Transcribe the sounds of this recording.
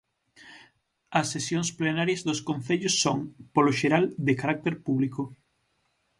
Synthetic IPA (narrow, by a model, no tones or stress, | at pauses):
ɐsːesjõŋsplenaɾjɐzðoskõnθeʎosːoŋpoloʃeɾald̪ɪkaɾak̚t̪eɾpuβliko